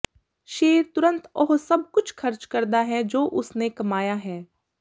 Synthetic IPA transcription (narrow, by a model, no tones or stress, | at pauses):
ʃeːɾt̪ʊɾə̃nt̪ɔːɦsɐb̚kʊt͡ʃʰxɐɾt͡ʃkɐɾd̪aɦɛd͡ʒoːʔʊsnekɐmaːjaɦɛː